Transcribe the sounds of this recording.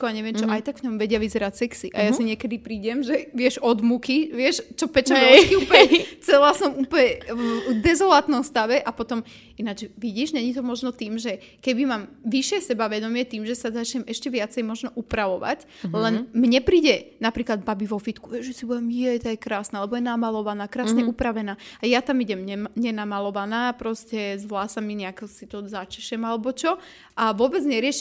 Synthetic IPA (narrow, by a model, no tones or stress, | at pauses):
kɔaɲɛʋɪɛmt͡ʃɔʔajt̪aɡʋɲɔmʋɛɟɪaʋizɛɾacsɛksiʔajasiɲɪɛkɛd̪ipɾiːɟɛmʒɛʋɪɛʒɔd̪mukiʋɪɛʃt͡ʃɔpɛt͡ʃamɛkiupɛt͡sɛlasɔmuːpəɲɛd̪ɛzɔlat̪nɔmst̪aʋɛʔapɔt̪ɔm | ʔinad͡ʒʋiɟiːʒɲɛɲit̪ɔmɔʒnɔt̪iːmʒɛ | kɛbimaːmʋiʃɪɛsɛbaʋɛd̪ɔmɪɛt̪iːmʒɛsazat͡ʃɲɛmɛʃcɛʋɪat͡sɛjmɔʒnɔʔupɾaʋɔʋa̰c | lɛnmɲɛpɾiːɟɛnapɾiːklad̪babiʋɔfit̪kuʋɛʒɛsibuɛmjɛt̪ajɛkɾaːsnaalɛbɔjɛnamalɔʋanaːkɾaːsɲɛupɾaʋɛnaːajat̪amiɟɛmɲɛɲɛnamalɔʋanaːpɾɔscɛzʋlaːsamiɲɛakɛsit̪ɔzat͡ʃɛ̥ʃɛmalɛbɔt͡ʃɔ | ʔaʋʊɔbɛd͡zɲɛɾɪɛʃ